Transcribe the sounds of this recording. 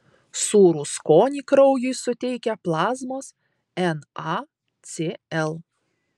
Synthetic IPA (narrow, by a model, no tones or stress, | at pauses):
suːɾuskoːnʲiːkɾɐʊjʊɪsʊt̪ʲɛɪkʲɛplˠɑːzmoːs | ɛnɑ | t̪sʲeɛlˠ